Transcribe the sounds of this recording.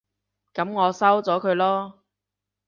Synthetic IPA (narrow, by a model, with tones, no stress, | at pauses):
kɐ˨˥mŋɔː˨˧sɐ˥wt͡sɔː˨˥kʰɵ˨˧ɥlɔː˥